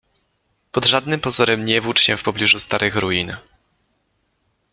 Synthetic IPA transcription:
pɔd̪ʐad̪nɘmpɔzɔɾɛmɲɛvut͡ʂɕɛ̃fpɔblʲiʐust̪aɾɘxɾujin

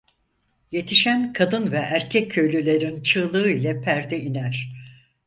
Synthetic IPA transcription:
je̞t̪ʰiʃænkʰad̪ɯnvɛʔæɾcʰɛcʰːø̞jlʲylʲe̞ɾint͡ʃʰɯːlˠɯːilʲɛpʰæɾd̪ɛinæɾ̥

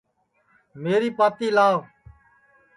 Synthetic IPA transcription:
meːɾiːpaːt̪iːlaːʋ

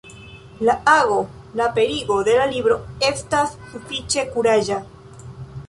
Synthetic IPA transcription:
laaɣo̞ | lape̞ɾiɡo̞d̪e̞lalibɾo̞e̞stasːufit͡ʃe̞kuɾaʒa

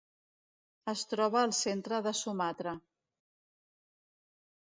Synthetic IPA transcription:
əst̪ɾɔβ̞əːlˠsent̪ɾəðəsumat̪ɾə

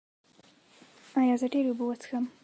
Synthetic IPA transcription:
ajɑzəɖeɾeubuwət͡sxəm

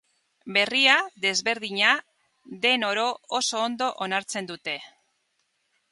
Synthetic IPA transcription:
be̞riaðe̞zβe̞ɾðiɲa | ðe̞no̞ɾo̞oso̞ːnd̪o̞ʔonaɾt͡se̞nd̪ut̪e̞

